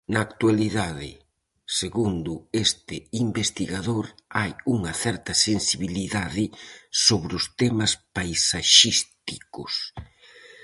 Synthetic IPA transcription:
nɐːkt̪waliðaðɪ̰ | seɣund̪ʊest̪ɪimbest̪iɣaðoɾajuŋɐθɛɾt̪ɐsensiβ̞iliðaðɪsoβɾʊst̪ɛmɐspajsaʃist̪ikʊ̰s

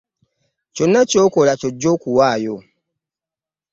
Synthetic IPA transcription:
t͡ʃonːat͡ʃokolat͡ʃod͡ʒokuwajo

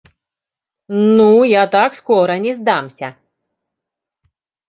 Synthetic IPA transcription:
nujat̪akskɔɾɐnʲɛzd̪amsʲɐ̰

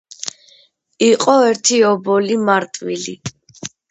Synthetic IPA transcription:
iqʼɔɛɾt̪ʰiɔbɔlimaɾt̪ʼwḭli

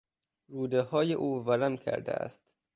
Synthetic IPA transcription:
ɾuːd̪ehɒːjeʔuːvæɾæmkʰæ̰ɾd̪ḛʔæ̰st̪

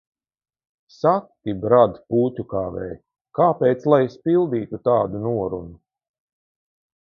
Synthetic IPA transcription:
sak̚t̪ibɾad̪puːtʲukaːvɛ̰j | kaːpeːjt̪slˠajspilˠd̪iːt̪ut̪aːd̪unuɔɾṵnu

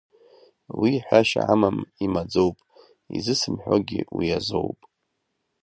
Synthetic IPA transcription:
wiħʷᶣaʃa̰ʕamamimad͡zowpʼ | izɨsɨmħʷᶣoɡʲiwiazowpʼ

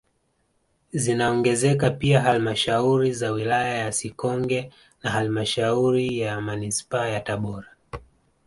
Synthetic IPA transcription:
zinaɔŋɡɛzɛkapiaɦalmaʃauɾizawilajajasikɔŋɡɛ | naɦalimaʃauɾijamanispaajataɓɔɾa

